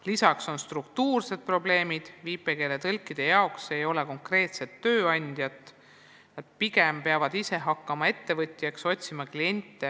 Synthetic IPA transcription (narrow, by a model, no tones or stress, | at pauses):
lisɑkso̞nst̪rukt̪uːrse̞d̪̥̚pro̞ble̞ːmid̪̥viːpːe̞ke̞ːlet̪ɤlkːˑid̪̥e̞jɑokse̞jo̞leko̞ŋkre̞ːt̪se̞t̪ːø̞ːɑnʲd̪̥jɑt̪ | nɑd̪̥̚piɡe̞mpeɑvɑd̪̥ise̞ɦɑkːɑmɑe̞t̪ːe̞vɤt̪ʲˑːjɑkso̞t̪ʲsimɑklie̞nʲt̪ːˑe